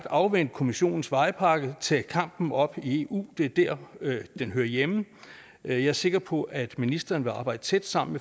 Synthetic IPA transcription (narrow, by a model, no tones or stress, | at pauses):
d̥ɑ̈ʊʋen̰d̥̚kʰo̝miɕo̝̰ːn̩sʋɑ̈ɪpʰɑ̈ːɡ̥ət͡sʰɛ̰ːkʰɑ̈m̰b̥n̩ɒ̽b̥ie̝ṵːd̥e̝ɐd̥æɐ̰d̥enɦøːɐjem̩ | jɑ̈æɐse̝ɡ̥ɐpʰɒ̽ʔæd̥minisd̥ʁɐnʋe̝ɑ̈ːb̥ɑ̈ɪ̰d̥ət͡sʰed̥sɑ̈m̰n̩me